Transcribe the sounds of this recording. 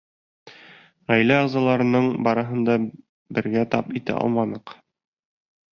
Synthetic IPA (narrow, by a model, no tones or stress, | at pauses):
ʁæjlæɒʁzɑlˠɑɾɤ̆nɤɴbɒɾɤ̆ɦɤ̆nd̪ɑ | bɘ̆ɾɡæt̪ɑpit̪æ̰ʔɑ̰lˠmɑnɤq